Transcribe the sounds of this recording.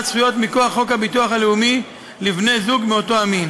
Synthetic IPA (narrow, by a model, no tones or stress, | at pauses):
t͡sχujo̞t̪miko̞aχːo̞khabituaχaleumi | livne̞zuɡmeo̞to̞amin